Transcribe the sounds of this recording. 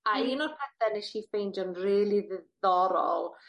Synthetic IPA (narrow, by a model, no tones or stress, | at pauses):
ainɔrpʰɛθɛneʃifejnd͡ʒɔnriːlˠiðɔɾɔ̰lˠ